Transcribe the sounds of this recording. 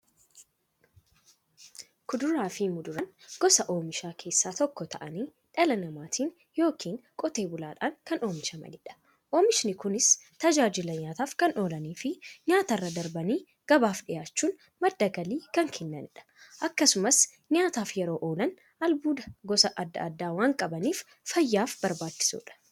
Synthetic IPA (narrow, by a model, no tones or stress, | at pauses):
kʊd̪ʊɾaːfɪmʊd̪ʊɾɐnɡ̥ɔsɐʔo̞ːmɪʃaːkʰe̞ːsːaːt̪ɔkːɔt̪ɐʔɐniː | ᶑɐlɐnɐmaːt̪ʰiːn | jo̞ːkʰiːnkʼɔt̪e̞ːbʊlaːᶑaːŋkɐnʔo̞ːmɪʃɐmɐ̰nɪᶑɐ̥ | ʔo̞ːmɪʃnɪkʊnɪst̪ɐd͡ʒaːd͡ʒɪlɐɲaːt̪aːfkɐno̞ːlɐniːfɪɲaːt̪ɐrːɐd̪ɐɾbɐniː | ɡ̥ɐbaːfᶑɪjaːt͡ʃːuːn | mɐd̪ːɐɡɐliːkɐŋkʰɪnːɐnɪᶑɐ̥ʔɐkːɐsʊmɐs | ɲaːt̪aːfjɛɾo̞ːʔo̞ːlɐn | ɐlbuːd̪ɐɡɔsɐʔɐd̪ːɐ̰ɐd̪ːaːwaːŋkʼɐbɐniːf | fɐjːaːfbɐɾbaːt͡ʃːɪ̥sṵːᶑɐ̥